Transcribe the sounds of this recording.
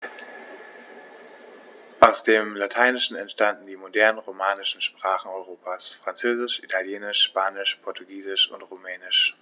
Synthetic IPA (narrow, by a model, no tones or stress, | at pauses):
ʔaʊsd̥eːmlatʰaɪnɪʃn̩ɛntʃtandn̩diːmodɛɐnənʁomaːnɪʃn̩ʃpʁ̥aːχn̩ɔʏʁoːpʰasfʁ̥ant͡søːzɪʃʔitʰaljeːnɪʃːpaːnɪʃpʰɔɐtʰuɡiːzɪʃʊ̰ntʁumɛːnɪʃ